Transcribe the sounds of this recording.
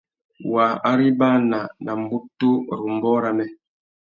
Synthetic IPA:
wa˨a˦ɾi˦ba˦na˨na˨m˦bu˦tːo˦˨ɾu˨m˨bɔ˦ɾa˨mɛ˦

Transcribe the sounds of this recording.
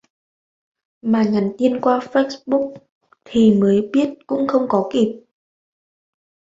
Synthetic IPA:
maː˨˩ɲa˨˦nt̪i˧ənkwaː˧fə˦˥sɓʊ˦˥k̚ | t̪ʰi˨˩məː˨˦jɓi˦˥ət̚kʊ̰˧˥ŋ͡mxə˧wŋ͡mkɔ˨˦ki˨˩p̚

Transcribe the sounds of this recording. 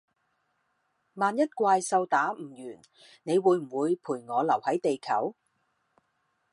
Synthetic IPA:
maː˨˧njɐ˥t̚kʷaː˧jsɐ˧wt̪aː˨˥m̩˨˩jyː˨˩n | ne˨˧jwuː˨˧˥jm̩˨˩wuː˨˧jpʰuː˨˩jŋɔː˨˧lɐ˨˩whɐ˨˥jt̪e˨jkʰɐ̰˨˥w

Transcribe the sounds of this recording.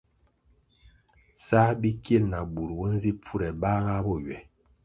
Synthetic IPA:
sa˦bi˦kje˦˨lna˨bu˨ɾwo˦n̩˦zi˦p͡fu˦ɾɛ˨ba˦ɣa˦bɔ˦˨ɥɛ˨

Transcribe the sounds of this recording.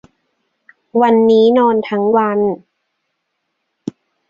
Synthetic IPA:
wa˧nːiː˦˥nɔː˧nt̪ʰa˦˥ŋwa˧n

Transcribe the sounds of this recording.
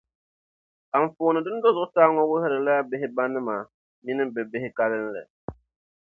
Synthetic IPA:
a˨ɱ˨fʊː˨nɨ˨dɨ˦n˦dɔ˦zʊ˨ʊ˦saː˦ŋɔ˦wʊ˦hɪ˦ɾɨ˨la˦a˦bɪ˦ɦɪ˦ba˦nːɨ˦maː˨ | mi˦nɨ˦mbɛ˨bɪ˦hɪ˦ka˦lɨ˦n˦lɨ̰˨

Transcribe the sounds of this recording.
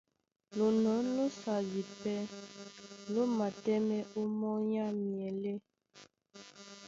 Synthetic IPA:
lo˨nɔ̃˨˦lo˦sa˨zi˨pɛ˦ | lo˦ma˨tɛ˦mɛ˦ʔo˦mɔ˦ɲa˦mi˨ɛ˨le˦

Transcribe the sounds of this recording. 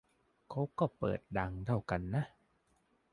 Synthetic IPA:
kʰa˦˥wkɔː˥˩pɤ̰ː˨˩t̪̚da˧ŋdʰa˥˩wka˧nːa˦˥ʔ

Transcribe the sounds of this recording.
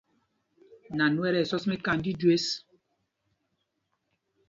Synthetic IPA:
na˨nu˦ɛ˦ɾɛ˨sɔ˦smɛ˦ka˦˨n˦di˦dwe˦s

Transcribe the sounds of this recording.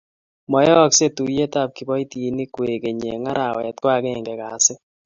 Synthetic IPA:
mɔ˨jɛ˦ɔ˦kse˦tu˨je˦ta˦˨p̚ki˨bɔ˦i˦ti˨ni˦kwe˨ke˨ɲe˨ŋa˦ɾa˨wɛ˨tkwa˦ɡɛ˦˨ŋɡɛ˨ka˨˦sɪ˦

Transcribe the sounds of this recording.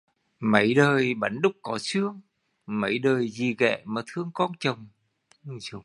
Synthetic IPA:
mə˨˧˦jɗəː˨˩jɓa˨˦n̟ɗʊ˦˥k͡p̚kɔ˨˧˦sɨ˦əŋ | mə˧˦jɗəː˨˩jzi˨˩ɣɛ̰˧˨maː˨˩t̪ʰɨ˧˥əŋkɔ˨˦˥nt͡ɕə˨˩wŋ͡m | zu˨˧˦

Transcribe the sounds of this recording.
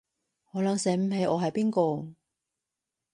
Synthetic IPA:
hɔː˨˥lɐ˨˧ŋsɛː˨˥m̩˧he˨˧˥jʔɔː˨˧ɦɐ˨jpiː˥nkɔː˧

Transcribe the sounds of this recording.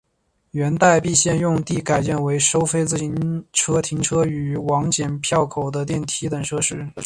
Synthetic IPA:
ɥɛ˧˥nt̪a˥˧ɪpi˥˧ɕjɛ˥˧njʊ˥˧ŋt̪i˥˩ka˨˩ɪt͡ɕjɛ˥˩nwe˧˥ɪʂo˥ʊfe˥ɪt͡sɹ̩˥˩˧nʈ͡ʂʰɤ˥t̪ʰi˧˥ŋʈ͡ʂʰɤ˥y˨˩y˧˥wɑ˧˥ŋt͡ɕjɛ˨˩npʰjɑ˥˩ʊkʰo˨˩ʊd̪ə˦t̪̬jɛ˥˩nt̪ʰi˧˥t̪ə˨˩ŋʂʰɤ˥ʂɻ̩˥

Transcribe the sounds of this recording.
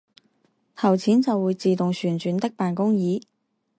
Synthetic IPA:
t̪ʰɐ˨˩wt͡sʰiː˨˥nt͡sɐ˨wːuː˨˧jt͡siː˨t̪ʊ˨ŋsyː˨˩nt͡ʃyː˨˥nt̪ɐ˥k̚paː˨nkʊ˥ŋjiː˨˥

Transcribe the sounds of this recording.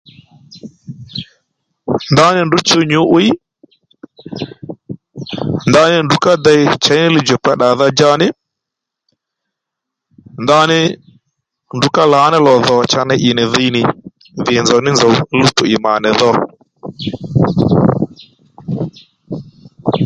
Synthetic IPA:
nda˦nɪ˦ndʊ˦t͡ʃo˦ɲu˦ʔʊ˦ɪ˦ | nda˦nɪ˦ndu˨ka˦da˦jt͡ʃa˨jnɪ˦lɪ˦d͡ʒɔ˨k͡pa˦ɗa˨ða˦d͡ʒa˦nɪ˦ | nda˦nɪ˦ | ndu˨ka˦la˨˦nɪ˦lɔ˨ðɔ˨t͡ʃa˦nɪ˦ʔɪ˨nɪ˨ði˦nɪ˨ | ðɪ˨nd͡zɔ˨˦nɪ˦nzɔ˨wlu˦tʊ˨ɪ˨ma˨nɪ˨ðɔ˦ɾ̰

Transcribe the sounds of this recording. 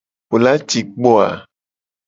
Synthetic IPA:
ɸo˨la˦t͡ʃi˨k͡pɔ˦a̰˨

